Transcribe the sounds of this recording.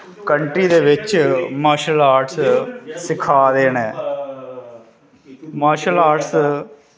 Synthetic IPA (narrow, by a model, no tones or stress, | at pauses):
kəɳʈɾiːd̪eːʋɪt͡ʃmaːʃəlaːʈssɪkʰːaːd̪eːnɛ̃ː | maːʃəlaːʈs